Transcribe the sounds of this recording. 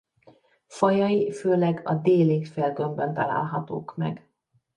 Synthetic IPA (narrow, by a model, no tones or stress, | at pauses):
fɒjɒjiføːlɛɡɒd̪eːliːt̪feːlɡømbønt̪ɒla̰ːlɦɒt̪o̰ːkmɛ̰ɡ